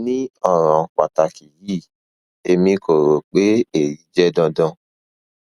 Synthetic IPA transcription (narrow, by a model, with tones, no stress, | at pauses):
nĩ˦ɔ˦˨ɾ̃ɔ̃˨k͡pa˨ta˨ki˨ji˦˨ | e˧mĩ˧ko˨ɾo˨k͡pe˦e˨ɾi˨˦d͡ʒɛ˦dɔ̃˧dɔ̃˧